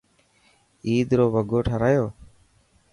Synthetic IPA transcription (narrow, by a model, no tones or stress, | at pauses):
iːd̪ɾoːʋəɡoːʈʰəɾaːjoː